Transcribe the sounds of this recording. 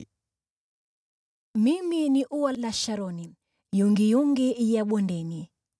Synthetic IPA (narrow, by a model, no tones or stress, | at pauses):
miminiʔuwalaʃaɾɔni | juŋɡijuŋɡijaɓwɔndɛni